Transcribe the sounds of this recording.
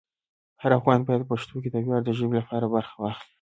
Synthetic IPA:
haɾafɣɑnbɑjad̪̚paʃt̪okid̪əbjɑɾd̪əʒəblapɑɾabaɾxawɑxli̥

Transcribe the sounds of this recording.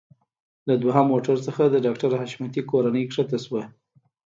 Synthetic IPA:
lad̪waɦamːoʈaɾt͡səxad̪əɖɑkʈaɾhaʃmat̪ikoɾanəjkʂat̪aswa

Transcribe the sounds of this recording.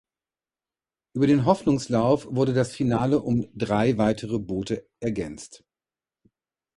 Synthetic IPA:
ʔyːbɐdeːnɦɔfnʊŋslaʊfv̥ʊɐdədasfinaːləʔʊmdʁaɪvaɪtʰəʁəboːtəʔɛɐɡɛnt͡st

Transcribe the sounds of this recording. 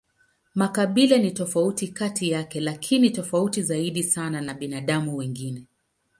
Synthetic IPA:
makaɓilanitɔfautikatijakɛlakʰinitɔfautizaiɗisananaɓinaɗamuwɛŋɡinɛ

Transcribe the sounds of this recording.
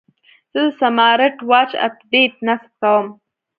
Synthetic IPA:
z̥əd̪əsamɑːɾəʈwɑːt͡ʃa̰t̪d̪et̪̚nasb̚kawəm

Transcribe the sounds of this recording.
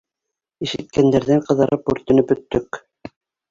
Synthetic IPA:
iʃɘ̆t̪̚kʰænd̪æɾðæŋqɤ̆ðɑɾɤpʉɾt̪ɘ̆nɵpbɵ̆t̪ːɵk

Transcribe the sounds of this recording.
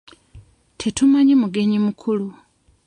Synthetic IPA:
tʰetumaɲimuɡe̞ɲimukʰulu

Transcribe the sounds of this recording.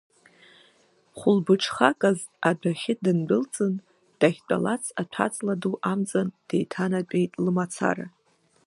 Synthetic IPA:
χʷʊlbɨʈ͡ʂʰχakʼaz | adaχʲɪdɨnbɨlt͡sʼɨn | d̥aχʲt͡pʼa̰lat͡sʰat͡ɕʷʰa̰t͡sʼladuʔamt͡sʼand̥ejtʰanat͡pʷʼejtʼlɨmat͡sʰa̰ra̰

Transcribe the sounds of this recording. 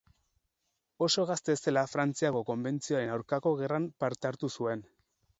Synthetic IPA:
o̞so̞ɣast̪e̞st̪e̞lafɾant͡siako̞ko̞mbe̞nt͡sio̞aɾe̞nawɾkako̞ɣe̞rampaɾt̪e̞aɾt̪usue̞n

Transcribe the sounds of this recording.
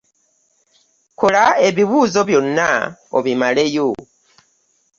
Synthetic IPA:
kolae̞βiβuːzo̞βjo̞nːa̰o̰βimale̞jo

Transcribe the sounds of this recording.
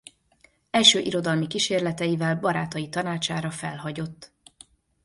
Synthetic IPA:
ɛlʃøːʔiɾo̞d̪ɒlmikiʃeːrlɛt̪ɛjivɛlbɒɾaːt̪ɒjit̪ɒnaːt͡ʃaːɾɒfɛlɦɒɟo̞t̪ː

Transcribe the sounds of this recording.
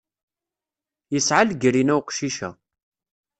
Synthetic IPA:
jəsʕalɡɾinæwqʃiʃæ̰

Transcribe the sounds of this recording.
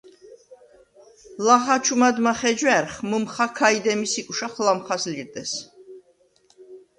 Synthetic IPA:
laχat͡ʃʰumad̪maχɛd͡ʒwɛɛɾχməmχakʰaid̪ɛmisikʼuʃaχlamχasliɾd̪ʼɛs

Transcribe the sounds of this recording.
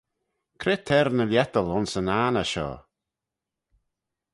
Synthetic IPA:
kʰɾɪt̪ʰɛɾnəljɛt̪əlʊnsənaːnaʃɔ̰ː

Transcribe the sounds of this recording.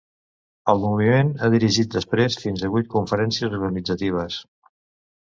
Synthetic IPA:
əlˠmuβimenaðiɾiʒit̪̚d̪əspɾesfinzəβujt̪̚kuɱfəɾɛnsiəzuɾɣənid͡zət̪iβ̞əs

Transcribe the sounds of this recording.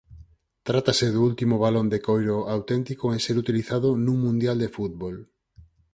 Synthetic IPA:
t̪ɾat̪aseðʊult̪imoβalond̪ekojɾoawt̪ɛnt̪ikoenseɾut̪iliθaðʊnũŋmũnd̪jald̪efut̪̚βol

